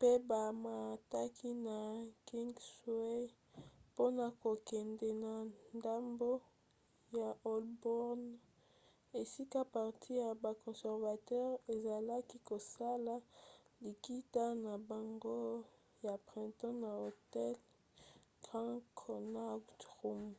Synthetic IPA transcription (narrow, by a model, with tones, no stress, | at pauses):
pe˦ba˨ma˨ta˦kʰi˦na˨ki˦ŋɡswe˦ | po˦na˨ko˨kɛ˨ndɛ˨na˨nda˦mbo˦ | ja˨ʔɔ˨lbɔ˦ʁn | e˨si˦ka˦pa˨ʁtʰi˦ja˨ba˨kɔ̃˨sɛ˨ʁva˨tɛ˦ʁe˨za˨la˦ki˦ko˨sa˦la˦li˨ki˦ta˦na˨ba˨ŋɡo˦ | ja˨pʁɛ̃˨ntɔ̃˦na˨o˨tɛ˦l | ɡ̥ã˦kʰo˨na˦ɡtʁu˦m